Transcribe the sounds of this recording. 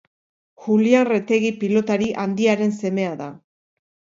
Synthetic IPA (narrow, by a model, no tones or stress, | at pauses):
xulianret̪e̞ɣ̞ipilo̞t̪aɾiʔand̪iaɾe̞nse̞me̞aða